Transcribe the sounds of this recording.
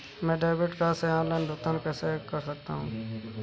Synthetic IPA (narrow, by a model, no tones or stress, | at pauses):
mɛ̃ːɖaːbɪʈkasɛãːlə̃nd̪ʊːt̪ənkəsekəɾsək̚t̪aɦũː